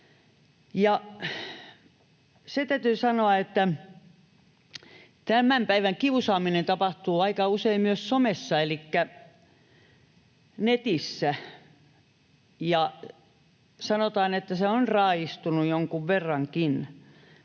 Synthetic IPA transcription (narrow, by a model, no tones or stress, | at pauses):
jɑ | set̪æyt̪yːsɑnoɑet̪ːæ | t̪æmæmpæiʋæŋkiusɑːminent̪ɑpɑht̪uːɑikɑuseimmyøssomesːɑelikːæ | net̪isːæ | jɑ | sɑnot̪ɑːnet̪ːæseonrɑːist̪unujoŋkuʋʋerːɑŋkin